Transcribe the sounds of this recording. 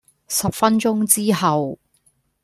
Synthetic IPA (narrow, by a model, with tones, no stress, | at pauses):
sɐ˨p̚fɐ˥nt͡ʃʊ˥ŋt͡siː˥ɦɐ˨w